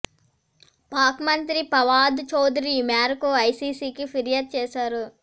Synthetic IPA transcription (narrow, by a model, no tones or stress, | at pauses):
paːkmɐnt̪ɾipɐʋaːd̪t͡ʃɐwd̪ɾimaːɾkoːɐjsiːsiːkipʰiɾjaːd̪̚t͡ʃeːsaːɾu